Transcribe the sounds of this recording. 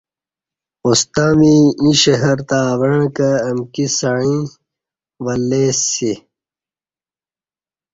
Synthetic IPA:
ust̪aːmiĩɕɐɦɐɾt̪aːwɐɳ̃kɐːmkisaɻ̃ĩ | ʋɐlːeːsi

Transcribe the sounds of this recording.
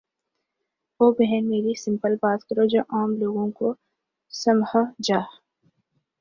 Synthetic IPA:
oːbɛɦɛnmeːɾisɪ̃mpəlbaːt̪kɐɾod͡ʒoːʔaːmloːɡõko | sɐmhəd͡ʒaː

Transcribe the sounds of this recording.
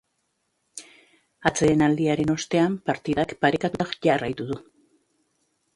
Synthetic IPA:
at͡se̞ːnald̪iaɾe̞no̞st̪e̞ampaɾt̪iðakpaɾekat̪uakʝarajt̪uðu

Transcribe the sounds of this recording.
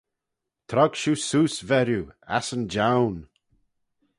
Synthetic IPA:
t̪ʰɾɔɡ̥ʃusuːsvɛɾjua̰sənd͡ʒawn

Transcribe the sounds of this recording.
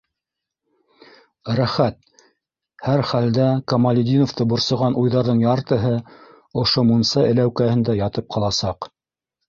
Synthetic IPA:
ɾæχæt̪̚ | hæɾχæld̪ækɐmalʲɪd̪ʲinoft̪ɤbŏɾsŏʁɑnʔujðɑɾðɤɴjɑɾt̪ɤ̆ɦɤ | ŏʃomunsɑɘ̆læwkæhɘ̆nd̪æjɑt̪ɤp̚qʰɑlˠɑsɑq

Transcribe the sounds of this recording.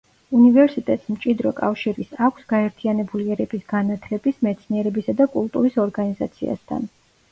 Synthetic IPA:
univɛɾsit̪ʼɛt̪ʼsmt͡ʃʼid̪ɾɔkʼafʃiɾisakʷʰsɡ̥aɛɾt̪ʰianɛbuliɛɾɛpisɡ̥anat̪ʰlɛbismɛt̪sʰniɛɾɛbisad̪akʼulˠt̪ʼuɾisɔɾɡaniza̰t̪sʰḭa̰st̪ʰa̰n

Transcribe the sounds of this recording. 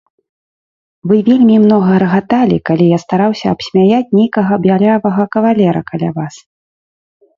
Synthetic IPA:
vɨvʲelʲmʲimn̪ɔɣɐɾɐɣat̪alʲḭkalʲijast̪aɾawsʲɐɐpsʲmʲajat͡sʲnʲejkɐɣɐbjalʲavɐɣɐkɐvalʲɛɾɐ̰kalʲa̰vas

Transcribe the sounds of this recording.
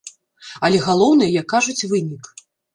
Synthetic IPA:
ɐlʲɛɣalˠɔwnɨjɛjakːaʐut͡sʲvɨnʲik

